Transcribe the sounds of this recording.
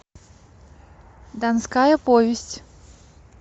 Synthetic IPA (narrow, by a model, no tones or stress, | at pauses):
d̪anskajɐpɔvʲesʲtʲ